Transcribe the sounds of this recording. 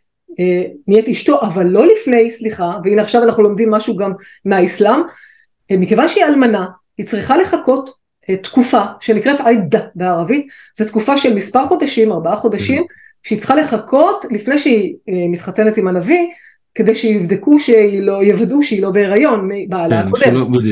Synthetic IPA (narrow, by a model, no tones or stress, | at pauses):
emietiʃto̞ʔavalːo̞lifne̞jsliχaveineaχʃavanaχnulo̞mdimːaʃuɡamː | eaislam | mikevanʃeialmana | hit͡sʁiχale̞χako̞t | etːkufaʃe̞nikʁetʕajdabeaʁavit | zet̪kufaʃelmispaʁχo̞d̪aʃimaʁbaaχo̞daʃim | ʃeit͡sχale̞χakʰo̞tlifne̞jʃeimit̪χate̞netimanavi | ke̞d̪ejʃejivd̪ekuʃeilo̞jevaduʃeilo̞beeʁajo̞nmibaalaakodem